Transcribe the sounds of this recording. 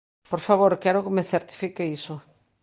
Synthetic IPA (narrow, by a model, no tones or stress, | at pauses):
poɾfaβoɾkɛɾokemeθeɾt̪i̥fikeiso